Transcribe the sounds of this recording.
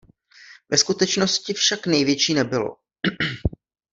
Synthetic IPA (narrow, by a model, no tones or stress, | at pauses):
vɛskut̪ɛt͡ʃno̞scɪfʃaknɛjvjɛt͡ʃiːnɛbɪlo̰